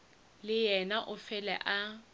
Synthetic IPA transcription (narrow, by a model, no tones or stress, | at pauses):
lɪjɛnaʔʊfɛlɛ̰ʔa